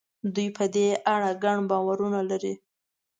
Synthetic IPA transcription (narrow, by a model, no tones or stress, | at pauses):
d̪ujpʰəd̪eʔaɽaɡaɳbɑwaɾunalaɾi